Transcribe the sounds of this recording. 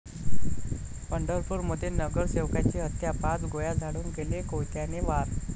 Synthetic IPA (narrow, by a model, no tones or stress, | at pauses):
pəɳɖəɾfuːɾməd̪ʱːenəɡəɾseʋkat͡ɕiːɦət̪japat͡sɡojad͡zʱaɽuːnɡelekojt̪janeʋaɾ